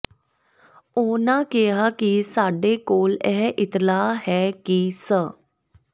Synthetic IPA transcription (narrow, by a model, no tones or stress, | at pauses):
oːnãːkɪɦaːkɪsaːɖeːkoːlɛːɦʔɪt̪laːhɛːkisə